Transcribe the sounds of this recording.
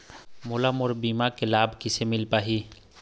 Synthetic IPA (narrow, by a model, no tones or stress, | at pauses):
molamoːɾbiːmakelaːbkɪsemɪlpaːɦiː